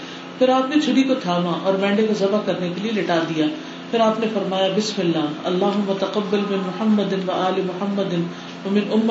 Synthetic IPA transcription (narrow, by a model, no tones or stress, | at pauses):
pʰɪɾaːpnet͡ʃʰʊɽikot̪ʰaːʋãʔɔːɾbɛ̃ːɳɖekozɐbakɐɾnekelielɪʈaːd̪ijaː | pʰɪɾaːpnefɐɾmaːjabɪsmɪlːaːɦɐlːaːɦʊmːɐt̪ɐqɐbːɐlmɪnmʊħɐmːɐd̪ɪnʋɐaːlemʊhɐmːəd̪ɪn | ʋɐmɪnʊmː